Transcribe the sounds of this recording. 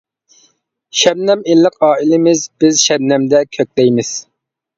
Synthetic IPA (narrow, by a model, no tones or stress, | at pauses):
ʃɛbnɛmelːɪqɑːilɪmɪzbɪzʃɛb̚nɛmd̪ɛkʲʰøk̚ʲd̪ɛjmɪz̥